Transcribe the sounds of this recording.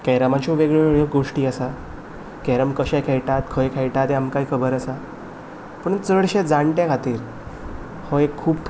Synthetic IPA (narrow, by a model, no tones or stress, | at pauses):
kɛɾamãt͡ɕɔʋeɡɭeɭoɡoʂʈiːəsa | kɛɾəmkəɕɛjkʰɛjʈat̪kʰəjkʰɛjʈat̪eamkaikʰəbəɾəsa | pəɳt͡səɽɕɛ̃d͡zaɳʈjãkʰat̪iːɾ | hɔekʰːuːbtʰ